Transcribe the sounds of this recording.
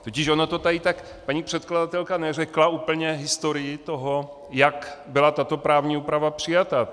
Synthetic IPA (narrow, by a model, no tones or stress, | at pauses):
t̪ocɪʃonot̪o̞t̪ajɪt̪ak | paɲiːpr̥ɛt̪kladat̪ɛlkanɛrɛklauːpl̩ɲɛɦɪst̪o̞ɾɪjɪt̪o̞ɦo | jakbɪlat̪at̪o̞pɾaːvɲiːuːpɾavapr̥ɪjat̪a